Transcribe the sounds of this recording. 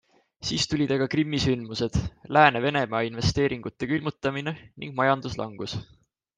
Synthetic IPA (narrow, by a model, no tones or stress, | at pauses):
siːst̪ulʲid̪̥ɑɡ̥ɑkrimːisynmuse̞d̪̥læːneve̞ne̞mɑːinve̞st̪e̞ːɾiŋɡ̥ut̪ːˑe̞kylmut̪ːˑɑmine̞nḭŋɡ̥mɑjɑnd̪̥uslʔɑŋɡ̥us